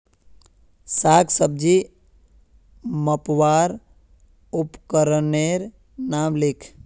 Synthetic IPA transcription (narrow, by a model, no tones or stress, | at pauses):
saːɡsəb̚d͡ʒi | məpwaːɾ | upkəɾəneɾ | namlɪkʰ